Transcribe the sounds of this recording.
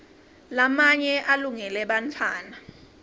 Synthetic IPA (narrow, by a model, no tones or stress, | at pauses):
lamaɲɛʔaluŋɛlɛɓantʰaːna